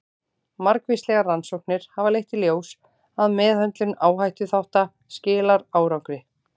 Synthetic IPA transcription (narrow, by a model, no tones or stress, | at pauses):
maɾkvejst̪lɛɣaransowhk̚nɪɾ̥havalejht̪iljoːws | aðmɛːðant̪lʏnaːwɦajht̪ʏθawht̪a | scɪːlaɾaːwɾawŋkɾɪ